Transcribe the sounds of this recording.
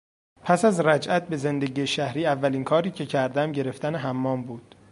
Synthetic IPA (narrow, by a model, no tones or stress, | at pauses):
pʰæsæzɾæd͡ʒʔæt̪̚be̞ze̞nd̪e̞ɟiːeʃæhɾiːævːæliːnkʰɒːɾiːcʰe̞cʰæɾd̪æmɟe̞ɾe̞ft̪æneɦæmːɒːmbuːd̪̥